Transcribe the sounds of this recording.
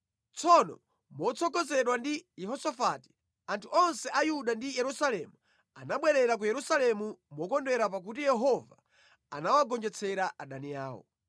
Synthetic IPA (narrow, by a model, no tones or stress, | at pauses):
t͡sʰɔnɔ̰ | mɔt͡sʰɔkɔzɛɗwandijɛɦɔsɔfati̥ | antʰuɔnsɛʔajuɗandijɛɾusalɛmu | anaɓwɛɾɛɾak̬ujɛɾusalɛmumɔkɔndɛɾap̬ak̬utijɛɦɔva | a̰nawaɡɔnd͡ʒɛt͡sʰɛɾaʔaɗaniaːwɔ̰